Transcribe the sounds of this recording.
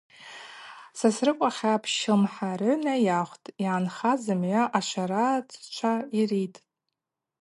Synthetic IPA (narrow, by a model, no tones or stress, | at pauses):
sasrɨkʷʼaχʲapʰʃɪlmħarʊnajaχʷtʼiʕanχazɨmʕʷaʔaʃʷaɾat͡sʰʼt͡ʃʷʰairitʼ